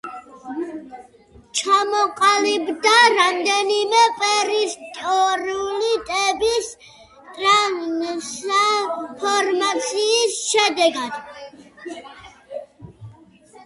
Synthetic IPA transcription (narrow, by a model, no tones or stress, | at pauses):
t͡ʃʰamɔqʼalibd̪aɾamd̪ɛnimɛpʼɛɾist̪ʼɔɾiulit̪ʼɛbis | t̪ʼɾas | pʰɔɾmat̪sʰiːsʃɛd̪ɛɡad̪̥